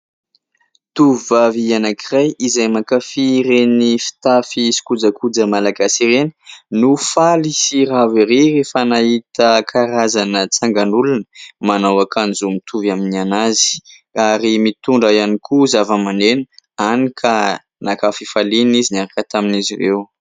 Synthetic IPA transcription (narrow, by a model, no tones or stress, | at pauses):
t̪uvvavianakʰirajizajmakafiɾenifi̥t̪afisi̥kud͡zəkud͡zəmalaɡasiɾeni̥nufalisiraviɾerefənaɦit̪əkʰaɾazanət͡saŋɡanulunəmanawakʰanzumit̪ʰuvaminanazi̥ | aɾimit̪uɳɖ͡ʐəjanikʰuzavəmanenanikʰa | nakafifalinizinaɾakət̪aminizirew